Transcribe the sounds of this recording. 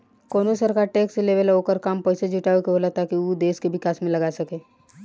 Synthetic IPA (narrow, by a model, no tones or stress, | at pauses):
koːnosəɾkaːɾʈeːkseleʋeloːkəɾkaːmpɛɪsed͡ʒuʈaːekeɦoːlat̪akiud̪eːskeʋɪkaːsmẽlɐɡaːsɐkeː